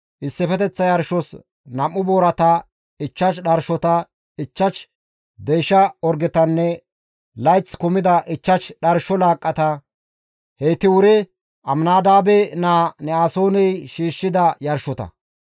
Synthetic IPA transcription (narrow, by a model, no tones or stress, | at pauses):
ʔɪsːɛfɛt̪ɛt͡sːɐjɐɾʃɔs | nɐmːʊboːɾɐt̪ɐ | ɪt͡ʃːɐʃɗɐɾʃɔt̪ɐ | ɪt͡ʃːɐʃ | d̪ejʃɐɔɾɡɪt̪ɐnːɛ | lɐjt͡skʊmɪd̪ɐʔɪt͡ʃːɐʃɗɐɾʃɔlaːkʼːɐt̪ɐ | heːt̪ɪwʊɾɛ | ʔɐmnaːd̪aːbɛnaːnɛaːsoːnɛjʃiːʃːɪd̪ɐjɐɾʃɔt̪ɐ̰